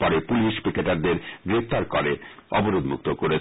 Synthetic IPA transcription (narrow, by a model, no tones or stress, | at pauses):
pɔɾepuliʃbikeʈaɾd̪eɾɡɾeft̪aɾkoɾeɔ̰boɾod̪muk̚t̪okoɾe